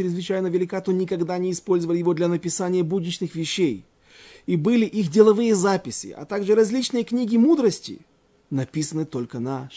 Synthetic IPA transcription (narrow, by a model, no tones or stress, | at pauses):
ɪɾʲɪzvɨt͡ɕæjnəvʲɪlʲɪkat̪onʲɪkɐɡd̪anʲɪːspo̞lʲzəvəlʲɪjɪvo̞d̪lʲɐnəpʲɪsanʲɪjəbudʲnʲɪt͡ɕnɨxvʲɪɕːej | ibɨlʲɪʔixdʲɪlˠɐvɨjəzapʲɪsʲɪ̰ʔɐ̰t̪aɡʐɨɾɐzʲlʲit͡ɕnɨjəknʲiɡʲɪmud̪ɾəsʲtʲɪ̰ | nɐpʲisənɨt̪o̞lʲkənaʂ